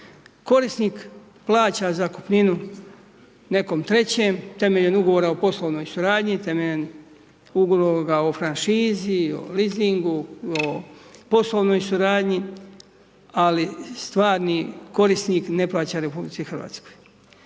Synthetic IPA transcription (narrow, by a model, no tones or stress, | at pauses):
ko̞ɾisnik | plˠaːt͡ɕazaku̥pninu | ne̞ko̞mt̪ɾe̞t͡ɕe̞ːmt̪e̞meʎenuɡo̞ʋoɾaopo̞slˠo̞ʋno̞ːjsuɾaːd̪ɲit̪e̞meʎen | uɡloɡaofɾanʃiːzio̰liziŋɡuopo̞slo̞ʋnojsuɾaːd̪ɲi | alist̪ʋaːɾniko̞ɾisniːkne̞plˠaːt͡ɕaɾe̞publit͡s̪ixrʋa̰ːt̪sko̥j